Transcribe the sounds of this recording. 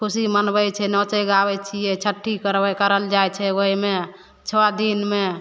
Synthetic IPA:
kʰusimənbɛt͡ʃʰɛnɔt͡ʃəjɡabɛt͡ʃʰijɛt͡ʃʰəʈʰːikəɾkəɾəld͡ʒajt͡ʃʰɛoime | t͡ʃʰɔad̪inme

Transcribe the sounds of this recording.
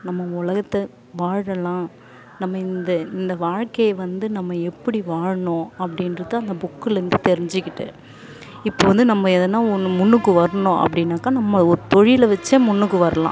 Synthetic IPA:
nɐmːɐʊlɐɣɐt̪ːɐ | ʋaːɽɐlãː | nɐmːɐɪnd̪ɐɪnd̪ɐʋaːɻkɐjɐʋɐnd̪ɯnɐmːɐɛpːɐɽiʋaːɻɐɳõːɐpːɐɽɪnɾɯt̪ːaːɐnd̪ɐbʊkːɯlɐɾɪnd̪ɯt̪ɛɾɪɲd͡ʒɪkːɪʈːɯ̰ | ɪpːoʋɐnd̪ɯnɐmːɐɛðɐnːaːɔnːɯmʊnːɯkːɯʋɐɾɐɳõːʔɐ̰pːɐɽɪnːaːkːaːnɐmːɐɔɾɯt̪ɔɻɪjɪlɐʋɛt͡ʃːemʊnːɯkːɯʋɐɾɐlã̰ː

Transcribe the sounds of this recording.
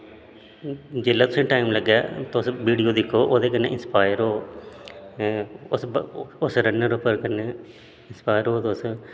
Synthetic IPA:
d͡ʒɪlːat̪ʊsĩʈaːimlɐɡɛːt̪oːsʋiːɽijoːd̪ɪkʰːoːʔoːðeːk̬ɐnːḛʔɪnspaːjəɾoː | ososɾɐnːəɾopɐɾkɐnːe | ɪnspaːjəɾoːt̪oːs

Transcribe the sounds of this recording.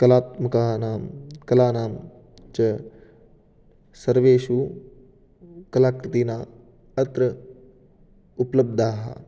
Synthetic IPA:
kɐlaːt̪̚mɐkaːɦnaːmkɐlaːnaːm | t͡ʃɐ | sɐɾʋeːʃuː | kɐlaːkɾɪt̪iːnaː | ɐt̪ɾɐ | upləb̚d̪aːɦɐ̰

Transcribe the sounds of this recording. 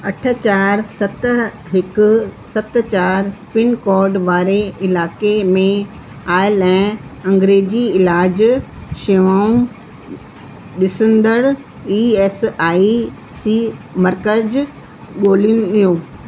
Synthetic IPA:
ɐʈʰə̆t͡ɕaːɾsɐt̪ | ɦɪkʊsɐt̪t͡ɕaːɾpɪnkɔːɾɖʋaːɾeɪlaːkemẽ | aːɪlɛ̃ːɐ̃ŋɡɾeːd͡ʑiɪlaːd͡ʑʃeʋaːũ | ɗɪsə̃nd̪əɽ | iːɛːsaːi | siːmɐɾkəd͡ʑ | ɠoːlinʊɗijoː

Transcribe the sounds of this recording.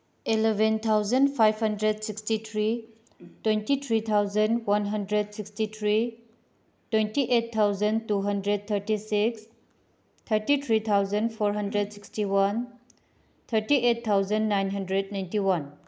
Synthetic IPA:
ilebʱent̪ʰawzɐndpʰajbhɐndɾed̚sikstit̪ʰɾi | twentit̪ʰɾit̪ʰawzɐndwanɦɐndɾed̚sikstit̪ʰɾi | twentiʔet̚t̪ʰːawzɐntuɦɐndɾed̚t̪ʰɐɾtisiks | t̪ʰɐɾtit̪ʰɾit̪ʰawzɐnpʰoɾɦɐndɾed̚sikstiwɐn | t̪ʰɐɾtiʔet̚t̪ʰːawzɐnːajnɦɐndɾednajntiwan

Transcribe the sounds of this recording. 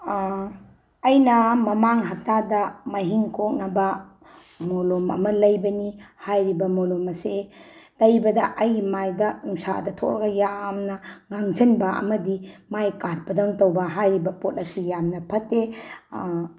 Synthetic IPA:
ɐjnɐmɐmaŋɦɐp̚tadɐmɐjɦiŋkʰok̚nɐbɐ | molomɐ̰mɐlɐjbɐnihajɾibɐmolomɐselɐjbɐdɐʔɐjɡimajdɐuŋsa̰dɐtʰo̰kɾɡɐjamnɐŋaŋzɐnbɐʔɐ̰mɐdimajkat̚pɐdɔŋtowbɐɦajɾibɐpot̚ɐsijamnɐpʰɐtːe

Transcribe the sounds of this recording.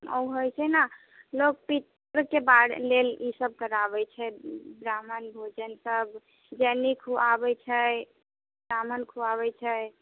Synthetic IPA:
o̰ɦojt͡ʃʰɛna | lok̚pit̪ | ɾkebaɽlelisəb̚kəɾabɛt͡ʃʰɛbɾamənbʱod͡ʒənsəb | d͡ʒɛnikʰɦuabɛt͡ʃʰɛ | bɾamənkʰuaβɛt͡ʃʰɛ

